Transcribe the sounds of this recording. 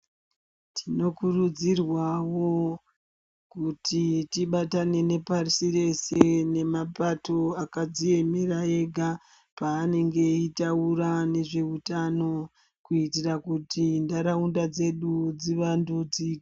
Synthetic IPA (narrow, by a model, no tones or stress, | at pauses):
tʰino̞kurud͡zirwawo̞ | kutitiɓatane̞ne̞parisire̞se̞ne̞mapato̞akad͡zije̞mirae̞ɡʱa | paːne̞ŋɡe̞itaurane̞ʐe̞utano̞ | kuitirakutindaɾaundad͡ze̞ɗud͡ziʋandud͡zi̥ː